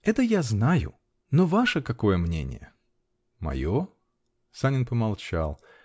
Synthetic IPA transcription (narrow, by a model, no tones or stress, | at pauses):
ɛt̪əjaznajʊ̰ | novaʂəkɐko̞jəmnʲḛnʲɪ̰jə̰ | mɐ̰jo | sanʲɪnpəmalˠt͡ɕa̰lˠ